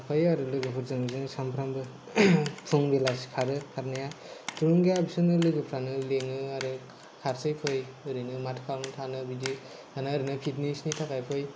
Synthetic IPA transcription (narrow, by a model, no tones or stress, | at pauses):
apʰajaɾɯlɯɡɯpʰɯɾzɯŋzɯnsampʰɾambɯ | pʰɯŋbelaskʰaɾɯkʰaɾnaja | tɾuŋɡejabisɯnɯlɯɡɯpʰɾanɯleŋɯaɾɯ | kʰaɾsɯjpʰɯjɯɾɯnɯmatʰkʰaɾnɯtʰanɯbid͡ʒi | anɯːɾinɯpʰitnesnitʰakʰajpʰɯj